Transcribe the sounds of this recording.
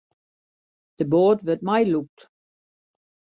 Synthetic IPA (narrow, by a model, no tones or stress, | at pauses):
d̥əboːtʋət̚majluk̚t